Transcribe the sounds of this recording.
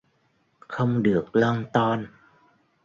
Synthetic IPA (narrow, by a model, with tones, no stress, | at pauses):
xə˧wŋ͡mɗɨ˨˩ək̚lɔː˧ŋt̪ɔ˧n